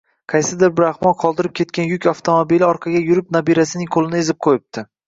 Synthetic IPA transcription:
qʰɑjsɪd̪ɪɾbɪɾahmɒnqʰɒlˠd̪ɪɾɪp̚kʲʰe̞t̪̚kʲanjʊkʲaft̪ʰomobilɪɒɾqʰɑɡʲajʊɾɪp̚nabiɾasɪnɪŋqʰolˠɪnɪe̞zɪp̚qʰojɪp̚t̪ʰɪ

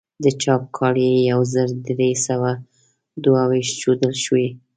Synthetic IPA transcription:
d̪ət͡ʃɑp̚kʰɑɽijawzəɾd̪ɾesawa | d̪wawiʃt͡ʃod̪əlʃwi

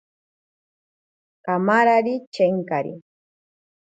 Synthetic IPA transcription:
kamaɾaɾit͡ʃeŋkaɾḭ

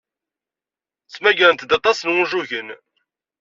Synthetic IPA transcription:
t͡sːmæʝɾənt̪əd̪ɑt̪ˤɑsənwʊʒuʝən

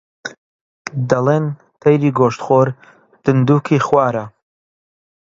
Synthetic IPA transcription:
d̪ɐlen | t̪ʰɐjɾiːɡoːʃt̪χoːɾ | d̪̥ɨnd̪uːkʰiχwaːɾɐ

